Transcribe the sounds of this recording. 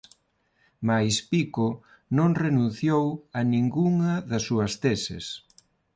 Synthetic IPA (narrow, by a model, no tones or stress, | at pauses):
majspiko | nõŋrenũn̟θjowɐnĩŋɡuŋɐðɐsːuɐst̪esɪ̰s